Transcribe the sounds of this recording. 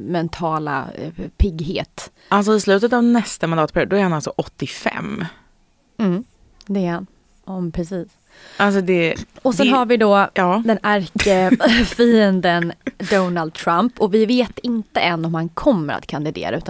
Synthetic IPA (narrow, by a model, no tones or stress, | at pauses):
mɛnt̪ʰɑːla̰pʰɪɡɦḛːt̪ | ʔals̬ɔɪslʉ̟ːt̪ət̪avnɛst̪amand̪ɑːt̪̚pʰæɾjuːd̪d̪ɔɛɾhanalsɔʔɔt̪ːɪfɛ̰m | m̩ | d̪ɛːɾhan | pʰɾɛsiːs | ʔals̬ɔd̪ɛɔsɛnɦaɾvɪd̪ɔɑːd̪ɛnaɾkəfiːənd̪ənd̪ɔnald̪̚t̪ʰɾampɔvɪveːt̪ɪnt̪əʔɛnːɔmhankʰɔmːəɾa̰t̪kʰand̪ɪd̪ḛːɾa̰ʉ̟ːt̪a